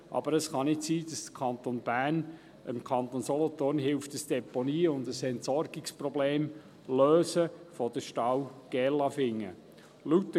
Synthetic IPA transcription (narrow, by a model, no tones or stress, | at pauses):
ʔɑ̰b̥əɾəsχɑnɪtsiːd̥ɑsd̥kʰɑnt̪onb̥æːn | ɪmkʰɑnt̪onsɔlɔt̪ʊnhɪlftəsd̥ɛponiːʊndəsɛntsɔɾɡɪksprɔbleːm | løːsəfɔd̥əʃtɑwɡ̥ɛlɑfɪŋːə̰ | lutːə